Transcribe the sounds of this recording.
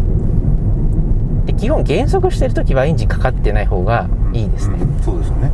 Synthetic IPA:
d̪̥e̞kʲihõ̞ŋɡẽ̞ɰ̃so̞kɯ̟ɕi̥t̪e̞ɾɯ̟t̪o̞kʲiβaĩɲ̟d͡ʑikḁkat̪ːe̞naiho̞ːɡaiːd̪esɨ̥ne̞soːd̪esɨne

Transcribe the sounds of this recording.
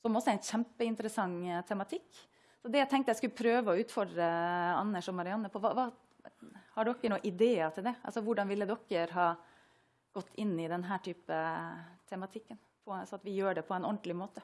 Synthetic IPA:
sɔmɔsːɔɾæɪnçæmpəɪnt̪əɾəsɑŋːt̪ʰɛmɑt̪ʰɪkː | sɔd̪ɛæɪt̪ʰɛŋk̚t̪əjæɪskʉlːəpʰɾøːʋəɔʉːt̪fɔɖɾəɑ̰nːəʂɔmɑɾɪɑnːəpʰɔʋɑ̰ʋɑː | hɑɖɔkːəɳuːʔɪd̪eːɑt̪ʰɪld̪ɛʔɑ̰lsɔʋʊɖɑnʋɪlːəd̪ɔkːəɾɦɑː | ɡ̥ɔt̪ʰːɪnːɪd̪ɛnɦæːʈʰyːpət̪ʰɛmɑt̪ʰɪkːən | pʰɔɑsɔɑt̪ʋɪjøːɖɛpʰɔɛnɔnd̪lɪmoːt̪ə

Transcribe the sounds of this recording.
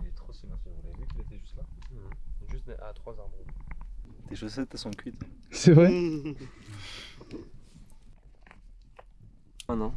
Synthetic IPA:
let̪χosimãsəɔ̃lɛnekʲilet̪ɛʒyst̪la | ʒyst̪nɛʔa̰t̪χwazaʁb̪ʁõ | t̪eʃɔsɛt̪ːɛsɔ̃kʲɥit̪sɛvʁɛ | anɔ̃

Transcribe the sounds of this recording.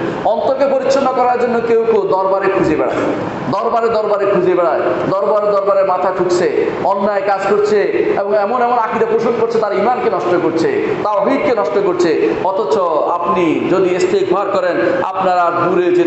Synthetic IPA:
ɔnt̪oɾkepoɾitːʃʰonːokɔɾaɾd͡ʑonːokewkod̪ɔɾbaɾekʰud͡ʑebɛɽa̰ | d̪ɔɾbaɾed̪ɔɾbaɾeɾkʰud͡ʑebɛɽaed̪ɔɾbaɾed̪ɔɾbaɾeɾmat̪ʰaʈʰukt͡ɕʰe | ɔnːaekad͡ʑkoɾt͡ɕʰeeboŋɛmonɛmonakiɾapɾoʃon̚koɾt͡ɕʰet̪aɾimankenɔʃt̪okoɾt͡ɕʰe | t̪aobʱikkenɔʃt̪okoɾt͡ɕʰeɔt̪ʰot͡ɕʰoapnid͡ʑod̪iest̪eɡuaɾkɔɾena̰pnaɾad̪uɾed͡ʑe

